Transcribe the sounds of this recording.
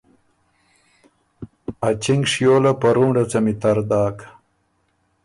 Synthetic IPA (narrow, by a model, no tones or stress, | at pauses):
at͡ɕiŋɡʂjoːlapɐɾuːɳɖɐt͡sɐmit̪aɾd̪aːkḁ